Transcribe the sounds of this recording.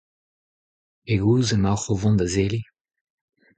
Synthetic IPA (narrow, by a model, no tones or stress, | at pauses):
eɡuːzəmaχovɔ̃nd̪azeli